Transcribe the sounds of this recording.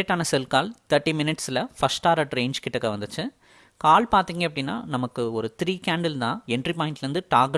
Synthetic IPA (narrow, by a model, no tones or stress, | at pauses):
eʈːaːnɐsɛlkaːlt̪ɐɾʈːimɪnɪʈsɪlɐfɐsʈaːɾɐʈɾeːnd͡ʒkɪʈːɐkːɐʋɐnd̪ɯt͡ʃːɯ | kaːɭpaːɾt̪iːŋɡɐɛpːɐɽɪnːa̰ːnɐmɐkːɯɔɾɯt̪ɾiːkaːɳɖɐlt̪ãːɛɳɖɾipaːɪ̃nʈlɾɯnd̪ɯʈaːɡ